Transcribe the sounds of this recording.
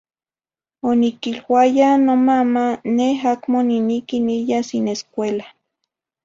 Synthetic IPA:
onikilwajanomamaneɦakmoninikinijasineskʷela

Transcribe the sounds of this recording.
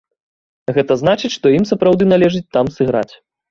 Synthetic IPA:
ɣɛt̪ɐzn̪at͡ʂɨt͡sʲʂt̪ɔimsɐpɾawd̪ɨnalʲɛʐɨt͡sʲt̪amsɨɣɾa̰t͡sʲ

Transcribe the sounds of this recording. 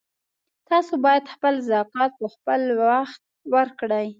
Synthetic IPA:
t̪ɑsobɑjad̪xpəlzɑkɑt̪̚pəxpəlwaxt̪̚wəɾkɽəj

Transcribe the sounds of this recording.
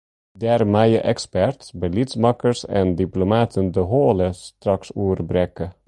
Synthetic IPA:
dɛːɾmɛjəʔɛkspɛɹtbəlitsmɑkəɹsɛ̰ndiplomaːtʰəndəɦoːləst̪ɾɑksuːəɾbɾɛkə

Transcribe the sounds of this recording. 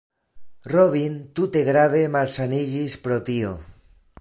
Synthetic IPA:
roβ̞int̪ut̪eɣɾaβ̞emaɾsaniʎispɾot̪io

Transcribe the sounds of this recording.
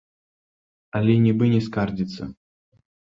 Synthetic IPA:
ɐlʲɛnʲɛbɨnʲɛskard͡zʲit̪sːɐ̰

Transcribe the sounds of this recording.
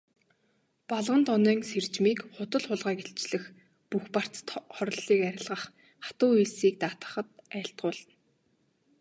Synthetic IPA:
paɮʁə̆nt̪ɔnœːŋser̥t͡ɕmiːkχʊt̪ə̆ɮχʊɮʁæːkeɬt͡ɕɮɘ̆x | puxpar̥t͡sə̥̆t̪χɔɾ̆ʲɮiːkæɾʲɪ̆ɮʁə̆χː | ḁt̪ʊːiɮsiːk̚t̪aːt̪ə̆χə̆t̪̚æːɬt̪̚ɢʊːɮə̆n

